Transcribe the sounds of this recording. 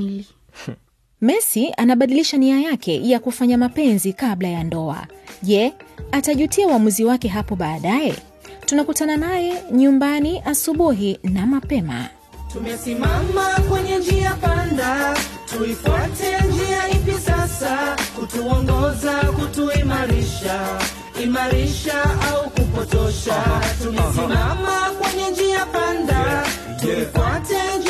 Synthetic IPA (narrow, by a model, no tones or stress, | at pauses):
mɛsianaɓaɗiliʃaniajakʰɛ̰jakufaɲamapɛnzikaɓlajandɔa̰ʄɛataʄutiauamuziwakɛɦapɔɓaːɗajɛ̰ | tunakutananajɛɲumbaniʔasuɓuɦinamapɛma̰ | tumɛsimamakwɛɲɛd͡ʒiapanda | tuifwatɛnd͡ʒiahipjɛsasakutuɔŋɡɔzakutuimaɾiʃa | imaɾiʃaaukupɔtɔʃatumɛsimamakwɛɲɛd͡ʒiapanda | tuifwatɛd͡ʒ